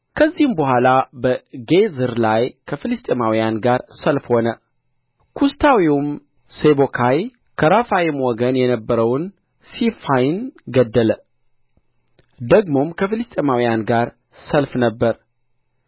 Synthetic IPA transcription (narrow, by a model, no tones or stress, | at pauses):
kʰəzːihɨmbəɦʷalabəɡezɨɾlajkʰəfilɨst̪ʼemawijanɡaɾsəlfho̞nə | kʰust̪ʰawiwum | sebokʰaj | kʰəɾafajɪmwɔɡənjɛnəbːəɾəwn | sifajnɡəd̪ːələ | d̪əɡmo̞mkʰəfɨlɨst̪ʼemawijanɡaɾ | səlfnəbːəɾ